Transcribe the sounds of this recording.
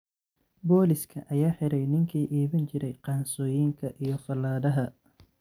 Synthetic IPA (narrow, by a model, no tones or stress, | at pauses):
bɔːlɪskʰɐʔɐjaːħɪɾɛjnɪŋkʰiːʔiːβɐnt͡ʃɪɾɛjqɑːnsɔːjiːŋkʰɐʔijɞfɐlːaːðɐɦɐ